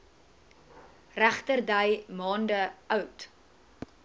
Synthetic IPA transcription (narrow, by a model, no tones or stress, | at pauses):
ræχtərdəjmɑːndəœwt